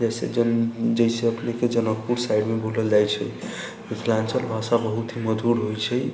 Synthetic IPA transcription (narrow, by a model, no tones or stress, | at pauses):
d͡ʒɛsed͡ʒd͡ʒɛseəpneked͡ʒənək̚puɾsajɖmebʱuləld͡ʒajt͡ʃʰɛj | mitʰlansəlbʱasabəɦut̪ɦiməd͡ʒʱuɾɦojt͡ʃʰɛj